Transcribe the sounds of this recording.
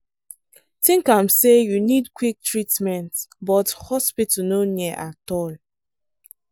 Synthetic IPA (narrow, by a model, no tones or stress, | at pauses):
tĩŋkamsejunidkwik̚tɹitmɛ̃ntbɔthɔspitnoniɛʔatɔl